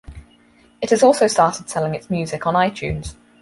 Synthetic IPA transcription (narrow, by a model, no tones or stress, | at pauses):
ɪtɪzɔˑlˠsəʊstɑˑtɪd̥sɛlɪ̃ŋɪtsmjʉːzɪkənaɪt͡ʃʰʉ̰̃ːnz̥